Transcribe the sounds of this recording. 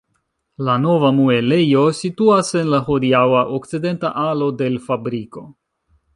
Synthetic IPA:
lano̞vamue̞lejo̞situase̞nlaɦodiawaʔokt͡side̞ntaʔalo̞de̞lfabɾiko̞

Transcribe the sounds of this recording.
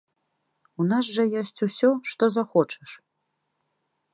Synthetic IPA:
unas̬ʐɐjɔsʲt͡sʲusʲɔʂt̪ɔzaxɔt͡ʂʰɛ̥ʂ

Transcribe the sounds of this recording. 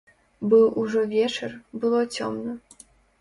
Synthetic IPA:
bɨwuʐɔvʲɛt͡ʂɨrbɨlˠɔt͡sʲɔmnɐ

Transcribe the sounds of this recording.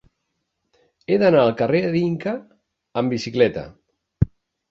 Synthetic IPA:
eðənaəlˠkəreəðiŋkəː | mbisiklɛt̪ə̰

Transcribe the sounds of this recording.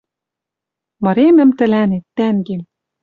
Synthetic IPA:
mɤ̆ɾemɘ̆mt̪ɘ̆lænet̪ːæŋɡe

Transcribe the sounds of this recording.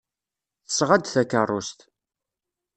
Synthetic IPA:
θə̥sʁad̪θækərˤːʊst̪

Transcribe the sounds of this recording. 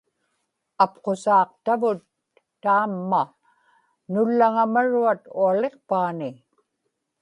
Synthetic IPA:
apqosɑːqt̪avʊt̪ː | aːmːa | nʊlːaŋamaɻuat̪uale̞qpaːnɪ

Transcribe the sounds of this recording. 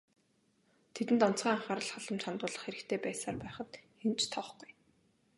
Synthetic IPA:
t̪ʰet̪ɘ̆nt̪ɔn̥t͡sʁiːŋaɴχaːɾə̆ɮχaɮə̆mt͡ɕʰant̪ʊːɮə̆χxeɾɘ̆kt̪ʰeːpæːsaːrpæːχə̆t̪xent͡ɕt̪ʰɔχɡ̥uj

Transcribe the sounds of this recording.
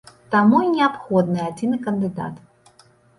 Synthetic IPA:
t̪amuinʲɛapxɔd̪nɨjad͡zʲinɨkɐnd̪ɨd̪a̰t̪

